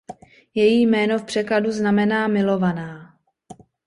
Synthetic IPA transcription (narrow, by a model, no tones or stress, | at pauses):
jɛjiːjmɛːno̞fpr̥ɛkladuznamɛnaːmɪlo̞vanaː